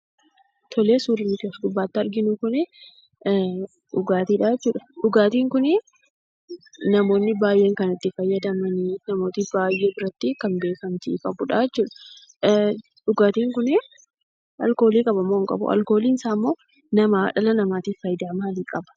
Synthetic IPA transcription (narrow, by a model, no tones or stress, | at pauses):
t̪ʰɔleːsuːɾɪnːɪkeːsɡʊbːaːt̪ːɪɐɾɡɪnʊkʊnɪ | ᶑʊɡaːt̪iːᶑaːjɛt͡ʃːuːᶑɐ̥ᶑʊɡaːt̪iːŋkʊnɪ | nɐmo̞ːnːɪbaːjʔe̞ːŋkɐnɐt̪ːɪfɐjːɐd̪ɐmɐninɐmo̞ːt̪ibaːjːe̞ːbɪɾɐt̪ːɪkɐmbe̞ːkɐmt̪ikʼɐbʊᶑaːjɛt͡ʃːuːᶑɐ̥ | ɗʊɡaːt̪iːŋkʊnɪ | ɐlko̞ːliːkʼɐbɐmːoːŋkʼɐ̰bʊ̰ʔɐ̰lkoːliːnɪsaːmːoː | nɐmaːᶑɐlɐnɐmaːt̪iːfɐjd̪aːmaːliːkʼɐbɐ̥